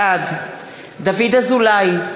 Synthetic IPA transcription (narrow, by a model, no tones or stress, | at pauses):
ad̪ | d̪avid̪azulaj